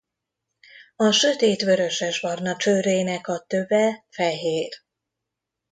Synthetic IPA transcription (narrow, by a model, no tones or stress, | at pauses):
ɒʃø̞t̪eːt̪ʋø̞ɾø̞ʃɛʒbɒrnɒt͡ʃøːɾeːnɛkɒt̪øbɛfɛɦeːr